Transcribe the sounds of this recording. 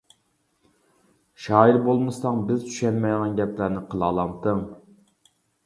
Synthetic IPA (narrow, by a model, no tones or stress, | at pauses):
ʃɑːiɾbolˠmɨsɑŋbɪzt̪ʰy̥ʃɛnmɛjʁɑnɡʲɛplæɾnɪqʰəlˠɑːlˠɑmt̪ʰɨŋ